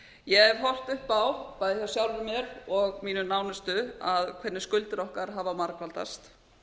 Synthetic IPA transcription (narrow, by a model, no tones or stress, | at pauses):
jɛɛ̥ɦɔr̥t̪ʏhpawpaːjðɪθjaɾsjawlvɪmjɛɾɔɣmiːnʏnaːwnʏst̪ʏaðkʰvɛt̪nːɪ̥skʏlt̪ɪɾɔhkaɾ̥ɦavamaɾkvalt̪a̰st̪